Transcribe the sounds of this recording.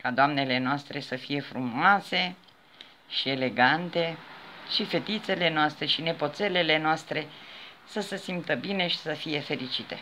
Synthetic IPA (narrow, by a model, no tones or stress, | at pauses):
kad̪oamne̞le̞noast̪ɾe̞səfije̞fɾumoase̞ | ʃie̞le̞ɡant̪e̞ʃife̞t̪it̪se̞le̞noast̪ɾe̞ʃine̞po̞t̪se̞le̞le̞noast̪ɾe̞səsesimt̪əbine̞ʃi̥səfije̞fe̞ɾit͡ʃit̪e̞̰